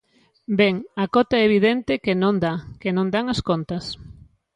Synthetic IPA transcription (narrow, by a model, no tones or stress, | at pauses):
bɛŋakɔt̪aɛeβ̞iðɛnt̪ɪkenõnd̪akenõnd̪aŋɐskont̪ɐs